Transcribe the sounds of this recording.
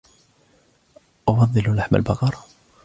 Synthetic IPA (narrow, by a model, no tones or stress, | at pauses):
ʔafɑðˤːɨlʊlaħma̰lbɑqɑɾˤɑ